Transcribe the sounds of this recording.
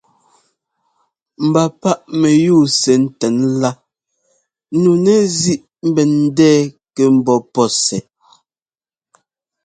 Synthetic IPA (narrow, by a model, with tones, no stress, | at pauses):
m̩˨ba˨pa˦ʔmɛ˨juː˦˨sɛ˨n̩˦tɛ˨˦nla˦ | nu˨nɛ˦zi˦ʔ | m̩˦bɛ˨n̩˦dɛː˦˨ | kɛ˨m̩˨bɔ˦pɔ˦sɛ˨